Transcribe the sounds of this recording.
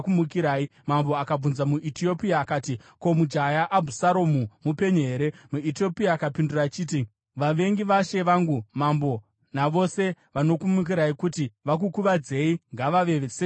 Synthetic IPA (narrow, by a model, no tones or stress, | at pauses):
kumukiɾaimambo̞akab͡vunzamuʔitio̞piaːkaːtiko̞mud͡ʒajaʔabʱusaɾo̞mumupe̞ɲoɦeːɾe̞muitio̞piaːkapindurat͡ʃiːt̬i | ʋaʋe̞ŋɡiʋaʃe̞ʋaŋɡumambo̞ | naʋo̞se̞ | ʋano̞kumuk̬iɾaikutiʋak̬ukuʋad͡ze̞iŋɡaʋaʋe̞ʋese